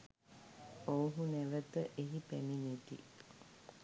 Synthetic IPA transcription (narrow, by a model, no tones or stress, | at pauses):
owɦuneʋət̪əʔeɦipæminet̪ḭ